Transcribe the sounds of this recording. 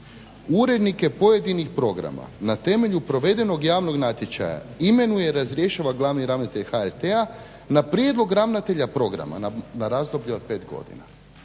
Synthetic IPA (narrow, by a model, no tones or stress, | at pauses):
uɾe̞d̪nike̞po̞je̞d̪inixpɾo̞ɡɾa̰ma̰nat̪e̞me̞ʎupɾo̞ʋe̞d̪e̞no̞ɡjaːʋno̞ɡnat̪je̞t͡ʃa̰ja̰ime̞nujeɾazɾʲje̞ʃaʋaɡlˠaʋniɾaʋnat̪eʎxaeɾt̪ea | napɾje̞d̪lˠo̞ɡɾaʋnat̪e̞ʎapɾo̞ɡɾa̰ma̰nanaɾazd̪o̞bʎepe̞ːt̪ɡo̞̰d̪ḭna̰